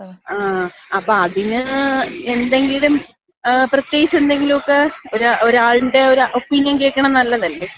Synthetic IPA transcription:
aːɐpːoːɐðinɨe̞nd̪e̞ŋɡilum | prɐt̪jeːɡit͡ɕːend̪e̞ŋɡilumokːeoɾuoɾaːɭinɖe̞oɾuʔopːinjɐnkeːkːɐɳɐmnɐlːɐðɐlːe̞

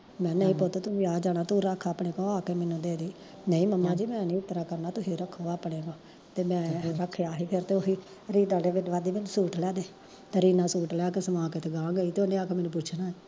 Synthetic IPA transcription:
mɛ̃ːnəĩːpoːt̪oːt̪ʊsiaːd͡ʒaːnaːt̪uɾaːkʰːaːpɳeːkõaːkeːmɛːnũːd̪eːd̪iː | nəĩːməmːãːd͡ʒiːmɛ̃ːnĩːʊt̪ːɾaːkəɾnaːt̪ʊsiːɾəkʰːoːaːpɽeːkãː | t̪eːmɛ̃ːɾəkʰːjaːɦiːpʰɪɾt̪eːosiː | ɾiːd̪ãːɖeːʋɪɖʋaːd̪iːmeːnsuːʈlɛːd̪eː | t̪eːɾiːnaːsuːʈlɛːkesəmãːkeːt̪eːɡãːɡəiːt̪oːnẽːaːkemɛːnũːpʊt͡ʃʰnaːɛː

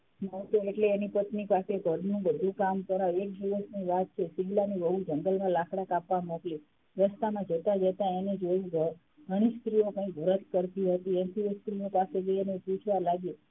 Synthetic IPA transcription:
nət̪eeʈleːnipət̪nipasebʱəɾnũbəd̪ʱũkamt̪əɾaʋek̚d̪iʋəsniʋat̪̚t͡ʃʰesiɡlaniʋəɦũd͡ʒəŋɡəlmãlakʰɽakapʋamokli | ɾəst̪amãd͡ʒət̪ad͡ʒət̪aened͡ʒoiɡə | ɡəɽ̃isk̪ɾiokãĩkʋəɾət̪̚ʰkəɾt̪iɦət̪iɛnsieskɾinopased͡ʒəienepũt͡ʃʰʋalaɡe

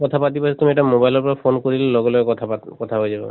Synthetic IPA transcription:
kɔt̪ʰapat̪̬ibasɛt̪umiɛtamobajlɔpɔɹapʰonkoɹillɔɡɔlɔɛkɔt̪ʰapakɔt̪ʰaɦojzabɔ̰

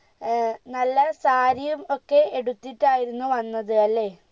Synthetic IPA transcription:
nɐlːɐsaːɾijumo̞kːe̞eɽut̪ːiʈːaːjiɾunːuʋɐnːɐðɨɐlːe̞

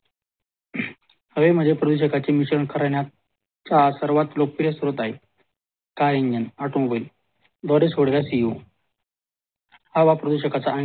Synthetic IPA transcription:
həʋem̤əd͡zʱepɾəd̪uɕ̬əkat͡ɕemiɕɾəɳkʰəɾaɳja | t͡sasəɾʋat̪lokpiɾesuɾət̪aɦe | kajeɲd͡ʑənaʈũʋəl | d̪ɔɾesoɽɡjasio | haʋapɾəd̪uɕəkat͡saʔə

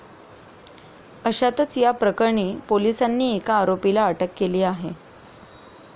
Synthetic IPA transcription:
əɕat̪ət͡sjapɾəkəɾɳiːpolisanːiːekaːɾopilaəʈəkːeliːaɦe

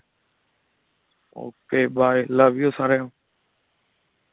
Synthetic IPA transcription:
o̰ːkeːɓaːeləʋɪjoːsaɾejõː

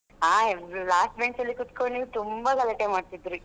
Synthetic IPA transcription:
ɦaːlaːsʈbeɳʈsɐlːikut̪koɳit̪umbɐkɐleʈːemaːɖt̪id̪ɾu

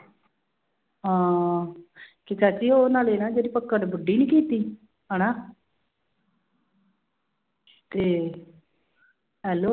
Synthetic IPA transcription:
ɦãː | kikʰaːt͡ʃiːoːnaːleːnaːd͡ʒeːdiːpəkːəʈbʊɖːiːnĩːkiːt̪iː | ɦənaː | t̪eː | ɦɛːloː

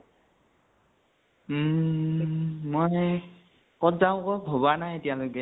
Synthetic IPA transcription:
moj | kɔtzaʊ̃kɔbʱɔbanajetijaloɡɛ

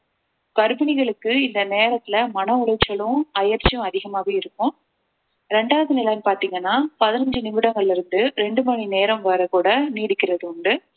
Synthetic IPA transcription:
kɐɾɯbɪnɪɣɐɭɯkːɯɪnd̪ɐneːɾɐt̪ːɪlɐmɐnɐʊɾɐt͡ʃːɐɭʊ̃ɐjɐɾt͡ʃːjʊ̃ɐðɪɣɐmaːɣɐɪɾɯkːʊ̃ | ɾɛɳɖaːʋɐðɯnɪlɐjmpaːɾt̪iːŋɡɐnːaːpɐðɪnɐɲd͡ʒɯnɪmɪɽɐŋɡɐɭɪlɪɾɯnd̪ɯɾɛɳɖɯmɐnineːɾɐ̃mʋɐɾɐkuːɽɐniːɽɯkːɪɾɐðɯʊɳɖɯ

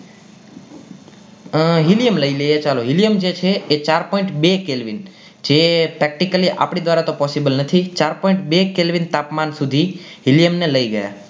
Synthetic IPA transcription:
ɦiljəmləiləjet͡ʃaloɦilijəmd͡ʒet͡ʃʰeːt͡ʃaɾpɔĩɳʈbekelʋin | d͡ʒepɾɛk̚ʈikəliʔa̰pɳ̃id̪ʋaɾat̪opɔsibəlnət̪ʰit͡ʃaɾpɔ̃ĩɳʈbekelʋint̪apmansud̪ʱiɦiljəmneləiɡəja̰

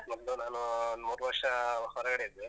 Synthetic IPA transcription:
mɔd̪lunaːnumuːɾuʋɐɾʂɐhɔɾɐɡɐɽeid̪ːe

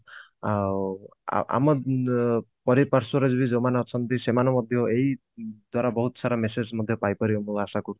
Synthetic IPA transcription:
a̰ | ʔa̰mɔ | pɔɾipaɾsɔɾed͡ʒbʱid͡ʒomaneɔt͡ʃʰɔnt̪isemanɔmɔd̪ʱjɔei | d̪waɾabɔɦut̪ɔsaɾamesed͡ʒmɔd̪ʱjɔpajpɔɾiomũasaku

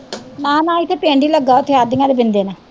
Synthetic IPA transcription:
nãːnãːɪt̪ʰːeːpẽːɳɖiːləɡːaːʊt̪ʰːeːaːd̪ɪŋãːd̪eːbɪnd̪eːnãː

